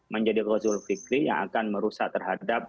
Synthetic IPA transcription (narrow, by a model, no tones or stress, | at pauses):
məɲd͡ʒadirɔzʊlfikɾija̰ŋa̰kanməɾusaʔ̚t̪ərɦadap̚